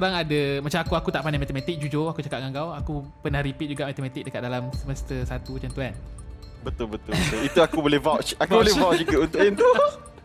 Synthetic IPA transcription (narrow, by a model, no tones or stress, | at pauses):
koɾaŋadamat͡ʃamakuakut̪aʔpanamat̪əmat̪ɪk̚d͡ʒud͡ʒoakut͡ʃakat̪̚ŋaŋɡawakupənahɾipit̪̚d͡ʒuɡaʔmat̪əmãt̪ɪk̚dəkat̪̚dalamsəməst̪əsat̪ut͡ʃant̪uanbət̪ʊlbət̪ʊlbət̪ʊlit̪uakubolɛhvat͡ʃakvubolɛvaʔt͡ʃd͡ʒuɡaunt̪ʊʔint̪u